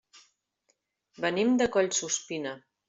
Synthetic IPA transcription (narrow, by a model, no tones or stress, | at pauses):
bənimd̪əkɔʎʲsuspinə